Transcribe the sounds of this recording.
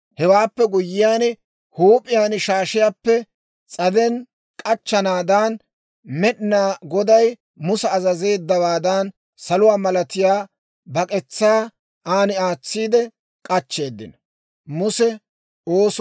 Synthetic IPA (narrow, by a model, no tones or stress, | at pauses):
hɛwaːpːɛɡʊjːɪjaːnɛ | huːpʼɪjaːnʃaːʃɪjaːpːɛ | t͡sʼɐd̪ɛn | kʼɐt͡ʃːɐnaːd̪aːn | mɛɗɪnaːɡɔd̪ɐj | mʊsɐːzɐze̞ːd̪ːɐwaːd̪ɐn | sɐlʊwaːmɐlɐt̪ɪjaː | bɐkʼɛt͡sːaː | aːnɪaːt͡sːiːd̪ɛ | kʼɐt͡ʃːe̞ːd̪ːɪnɐ | mʊsɛ | oːs